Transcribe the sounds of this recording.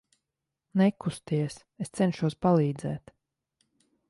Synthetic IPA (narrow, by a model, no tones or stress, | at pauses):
nɛkust̪iɛs | est̪sɛnʃuɔspalˠiːd̪zɛ̰ːt̪